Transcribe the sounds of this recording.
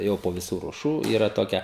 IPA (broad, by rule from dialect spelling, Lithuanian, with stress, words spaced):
ˈjɛʊ poː ʋʲɪˈsuː ruɔˈʃuː ˈiːrɐ ˈtoːkʲɛ